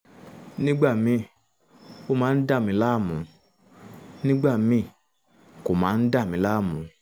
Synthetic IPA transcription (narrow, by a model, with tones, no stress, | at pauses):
nĩ˦ɡ͡ba˦˨mĩ˧ | o˦mãː˨˦n̩˦da˦˨mĩ˧˦laː˦˨mũ˨˦ | nĩ˦ɡ͡ba˦˨mĩ˧ | ko˨mãː˨˦n̩˦da˦˨mĩ˧˦la˦˨mũ˨˦